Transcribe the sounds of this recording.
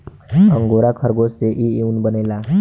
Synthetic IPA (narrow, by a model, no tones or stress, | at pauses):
ʌŋɡoɾakʰʌɾɡost̪eʔieunbənajla